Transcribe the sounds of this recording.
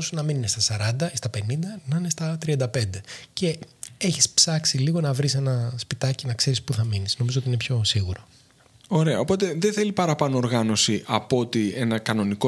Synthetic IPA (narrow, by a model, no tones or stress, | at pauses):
sunɐmininest̪ɐsɐɾɐnd̪ɐist̪ɐpe̞nind̪ɐnɐinest̪ɐt̪ɾiɐnd̪ɐpe̞nd̪e̞ce̞eçispsɐksiliɣo̞nɐvɾise̞nɐspit̪ɐcinɐkse̞ɾispuθɐminisno̞mizoot̪ine̞pço̞siɣuɾo̞ | o̞ɾe̞ɐopo̞t̪e̞ðeθe̞lipɐɾɐpɐnoːɾɣɐno̞siʔɐpo̞t̪ie̞nɐkɐno̞niko